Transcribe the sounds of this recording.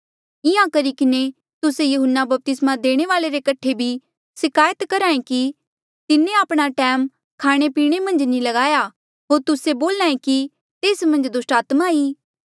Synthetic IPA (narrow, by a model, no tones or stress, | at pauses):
ɪãkɐɾikɪne | t̪ʊsejʊɦʊnːabɐp̚t̪ɪsmãd̪eːɽ̃eʋaːleɾekɐʈʰebʱi | sɪkaːjət̪kɐɾaːẽki | t̪ɪnẽaːpɽ̃aʈɛːm | kʰaːɽ̃epiːɽ̃emɐ̃nd͡ʒnĩlɐɡaːja | ɦoːɾt̪ʊseboːlnaːẽki | t̪eːsmɐ̃nd͡ʒd̪ʊsʈaːt̪maiː